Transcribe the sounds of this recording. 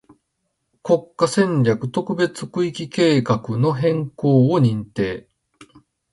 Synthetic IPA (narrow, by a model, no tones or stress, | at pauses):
ko̞kːasẽ̞ɲɾʲakɯ̟t̪o̞kɯ̟be̞t͡sɨ̥kɯ̟ikʲike̞ːkakɯ̟no̞ɦẽ̞ŋko̞ːoɲ̟ĩnt̪e̞ː